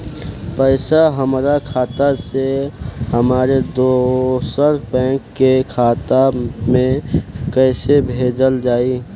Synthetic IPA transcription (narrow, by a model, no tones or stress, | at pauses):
pəɪsaɦəmɾakʰaːt̪aseɦəmaːɾed̪osəɾpɛ̃ːkːekʰaːt̪amẽkəɪsebʱeːd͡ʒəld͡ʒaːi